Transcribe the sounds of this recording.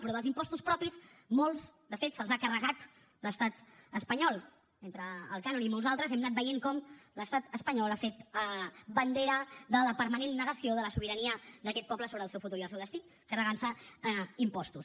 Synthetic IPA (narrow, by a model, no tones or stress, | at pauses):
pɾɔðəlzimpɔst̪uspɾɔpis | molˠzd̪əfet̪səlˠzakərəɣat̪ | ləst̪at̪əspəɲɔlˠ | ent̪ɾə̰ːlˠkanonimolˠzalˠt̪ɾəzɛmnat̪̚bəjeŋkɔmləst̪at̪əspəɲɔlafet̪ | bənd̪eɾəðələpəɾmənenːəɣəsioðələsuβ̞iɾəniəd̪əkɛt̪̚pɔpləsoβɾəːlˠsɛwfut̪uɾiəlsɛwðəst̪i | kərəɣansəimpɔst̪us